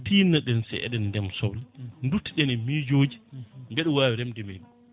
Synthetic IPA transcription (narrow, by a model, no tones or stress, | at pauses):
tiːnaɗɛnsɛ̰ʔɛ̰ɗɛndɛmsɔwlndutːiɗɛnɛmiːd͡ʒoːd͡ʒimbɛɗɛwaːwiɾɛmdɛmeɗum